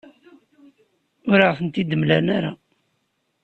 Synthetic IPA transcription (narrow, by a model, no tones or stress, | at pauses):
ʊɾaʁəθənt̪id̪əmlænaɾa